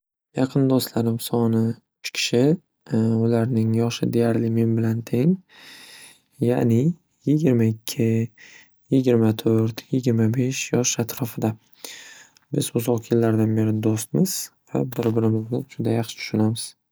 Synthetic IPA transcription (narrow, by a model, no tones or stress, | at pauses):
jɑqʰɨnd̪ost̪laɾɪmsɒnɪ | ʊt͡ʃkʲʰɪ̥ʃɪ | ʊlaɾnɪŋjɒʃɪd̪e̞jaɾlɪme̞nbɪlant̪ʰe̞ŋ | ja̰nɪ | jɪɡʲɪɾmaɪkʲʰːɪ | jɪɡʲɪɾmat̪ʰoɾt̪jɪɡʲɪɾmabe̞ʃjɒʃat̪ʰɾɒfɪd̪a | bɪzʊzɒqʰjɪlːaɾd̪anbe̞ɾɪd̪ost̪mɪz̥va̰bɪɾbɪɾɪmɪznɪd͡ʒʊd̪ajɑχʃɪ̥ʊʃʊnamɪz̥